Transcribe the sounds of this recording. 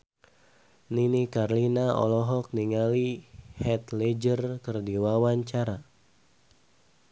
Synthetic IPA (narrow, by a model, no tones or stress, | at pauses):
ninikarlinaɔ̰lɔɦɔk̚niŋalihɛt̪led͡ʒərkɨrdiwawaɲt͡ʃaɾa